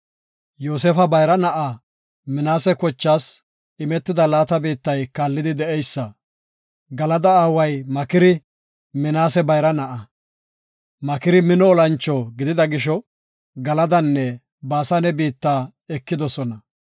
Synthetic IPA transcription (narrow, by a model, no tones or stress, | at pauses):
joːs̬efɐbɐjɾɐnɐʔa | mɪnaːsɛkɔt͡ʃːaːs | ɪmɛt̪ːɪd̪ɐlaːt̪ɐbiːt̪ːɐjkaːlːɪd̪ɪd̪ɛʔɛjsːɐ | ɡɐlɐd̪ɐaːwɐjmɐkɪɾɪ | mɪnaːsɛbɐjɾɐnɐʔɐ | mɐkɪɾɪmɪnɔːlɐnt͡ʃːɔɡɪd̪ɪd̪ɐɡɪʃ̬ɔ | ɡɐlɐd̪ɐnːɛ | baːsɐnɛbiːt̪ːaː | ɛkːɪd̪ɔsɔnɐ